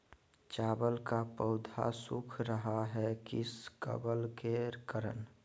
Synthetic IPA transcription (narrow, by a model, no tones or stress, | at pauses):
t͡ʃaːbəlkapəʊd̪ʱa̰sukʰɾəɦaɦɛkɪskə̰bəlkeɾkəɾə̰n